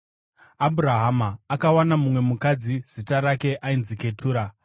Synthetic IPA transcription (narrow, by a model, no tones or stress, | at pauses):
abʱuɾaɦamaːkawanamumwe̞mukad͡ziz̥itaɾake̞ʔainzike̞tʰuːɾa